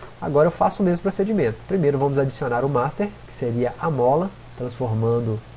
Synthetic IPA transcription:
a̰ɡɔɾɐewfasʊʊmezmʊpɾosed͡ʒimẽnt̪ʊ̥pɾimejɾʊvɐ̃mʊzad͡ʒisionaɾʊmast̪eɾkɪ̥seɾiɐʔamɔlɐ | t̪ɾɐ̃sfoɾmɐ̃nd̪ʊ

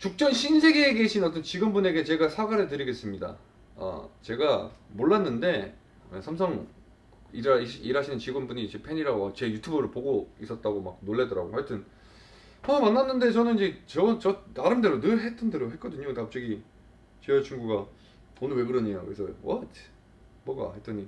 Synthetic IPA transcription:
t͡ɕuk̚t͡ɕ͈ʌnɕʰinsʰe̞ɡeːɡeɕʰinʌt͈ʌnt͡ɕiɡʌnbune̞ɡe̞t͡ɕe̞ɡasʰaɡaɾetɯɾiɡe̞s͈ɯmɲida̰ | a̰t͡ɕe̞ɡamoɭːanːɯnde̞ | ḛsʰamsʰʌŋ | iɾɯiɕiɾɦaɕʰinɯnt͡ɕiɡʌnbuɲid͡ʑe̞pʰe̞ɲiɾaɡoat͡ɕe̞jutʰubɯɾɯɭpoɡois͈ʌt̚t͈aɡomak̚noɭːe̞dʌɾaɡokaɲtʰɯn | ʌmanːanːɯnde̞t͡ɕʌnɯnid͡ʑe̞t͡ɕʌt͡ɕʌnaɾɯmde̞ɾonɯɭɦe̞t͈ʌnde̞ɾoɦe̞t̚k͈ʌdɯɲokap̚t͡ɕ͈ʌɡi | t͡ɕeʌt͡ɕʰuŋɡuɡa | onɯɭwe̞ɡɯɾʌɲejakɯesʰʌwʌ̰tʰ | mʌɡa̰ɦet͈ʌɲi

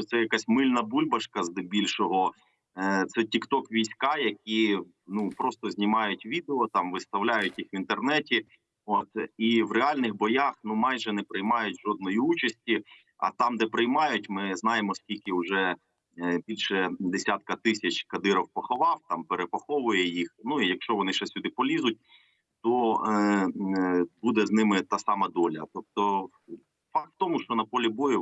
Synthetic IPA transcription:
t̪sɛjɐkasʲmɪlʲnɐbulʲbɐʃkɐzd̪ɪbʲilʲʃɔɦɔ | t̪sɛtʲikt̪ɔkʋʲijsʲkɑjɐkʲi | nupɾɔst̪ɔzʲnʲimɑjʊtʲʋʲid̪eɔt̪ɑmʋɪst̪ɐwlʲajʊtʲjixʋint̪ernɛtʲi | ot̪iʋreɑlʲnɪxbɔjaxnumɑjʒɛnɛpɾɪjmɑjʊtʲʒɔd̪̚nɔjiut͡ʃɐsʲtʲi | ɐ̰t̪ɑmd̪ɛpɾɪjmɑjʊtʲmɪznɑjemɔskʲilʲkɪʊʒɛ | bʲilʲʃɛd̪esʲat̪̚kɐt̪ɪsʲɐt͡ʃkɐd̪ɪɾɐwpɔxɔʋɑwt̪ɑmpeɾepɐxɔʋʊjɛjixnuijɐkʃt͡ʃɔʋɔnɪʃɛsʲʊd̪ɪpɔlʲizʊt̚ʲ | t̪ɔ | bud̪ɛznɪmɪt̪ɑsɑmɐd̪ɔlʲɐ̰t̪ɔp̚t̪ɔ | fɑkt̪t̪ɔmʊʃt͡ʃɔnɐpɔlʲibɔjɪ

